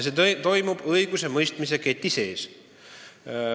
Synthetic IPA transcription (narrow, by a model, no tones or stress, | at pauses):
set̪o̞jmub̥ɤjɡ̥use̞mɤjst̪mis̬e̞ket̪ːˑise̞ːs